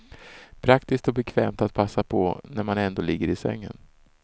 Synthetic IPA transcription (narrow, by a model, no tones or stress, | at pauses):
pʰɾakt̪ɪskt̪ɔbɛkʰvɛːmt̪at̪̚pʰasːapʰɔnæɾmanɛnd̪oːlɪɡːəɾɪsɛ̰ŋːə̰n